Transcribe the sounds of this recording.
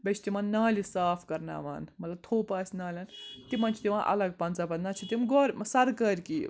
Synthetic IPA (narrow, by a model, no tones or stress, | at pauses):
bɐt͡ʃʰt̪imɐːnnaːlisaːpʰkɐɾna̰ːʋa̰ːnmɐt̪lɐb̚t̪ʰoːpaːsʲnaːlʲɐnt̪imɐnt͡ʃʰit̪iʋãːʔɐ̰lɐɡ̚pɐnt͡saːpɐnnaːt͡ʃʰit̪imɡoːɾʲmsɐɾkɐɾʲki